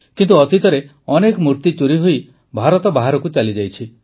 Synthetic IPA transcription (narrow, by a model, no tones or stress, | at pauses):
kint̪uɔt̪it̪ɔɾe | ɔnekɔmuɾt̪it͡ʃuɾiɦoi | bʱaɾɔt̪ɔbaɦaɾɔkut͡ʃalid͡ʒajt͡ʃʰi